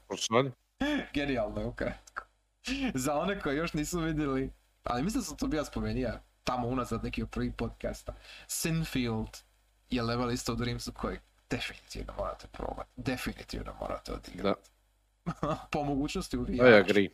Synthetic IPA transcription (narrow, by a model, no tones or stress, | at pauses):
osad̪ | ɡenialˠnoeukɾat̪ku̥ | zao̞ne̞ko̞jejo̞ʃniːsuʋid̪jeli | a̰limislind̪asamt̪obiːlˠaspo̞me̞niʋa | t̪amounazad̪nekiopɾrʋixpo̞d̪ka̰st̪asinfilˠd̪ | jeleʋelist̪oud̪ɾimsukʰo̞je | d̪̥efinit̪ḭʋnomo̰ɾa̰t̪e̥pɾo̰ːba̰t̪d̪efinḭt̪ḭʋno̰mo̰ɾa̰t̪eo̰d̪ḭɡɾaat̪ | pomo̞ɡuːt͡ɕnost̪iuʋijaɡɾi